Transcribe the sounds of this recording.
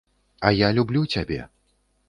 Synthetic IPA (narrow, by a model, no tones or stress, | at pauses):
ɐjalʲublʲut͡sʲabʲɛ̰